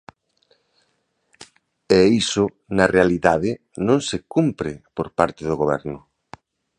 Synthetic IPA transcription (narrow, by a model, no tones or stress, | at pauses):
ɛisʊ | nɐrealiðaðɪ | nõŋsekumpɾɪpoɾpaɾt̪ɪðʊɣoβɛ̰ɾnʊ